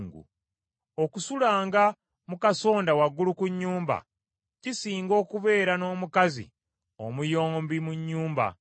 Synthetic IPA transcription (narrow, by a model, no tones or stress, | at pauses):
ŋɡṵ | o̞kusulaːŋɡa | mukaso̞ːndawaɡːulukuɲːuːmba̰ | cisiːŋɡo̞ːkuβe̞ːɾano̞ːmukazḭ | o̰mujo̞ːmbimuɲːuːmba̰